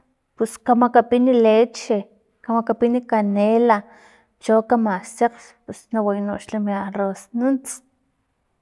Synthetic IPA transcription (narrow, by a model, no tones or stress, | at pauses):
puskamakapinilet͡ʃe | kamakapinikanela | t͡ʃokamaseqspusnawajnoʔʃlamiarosnunt͡s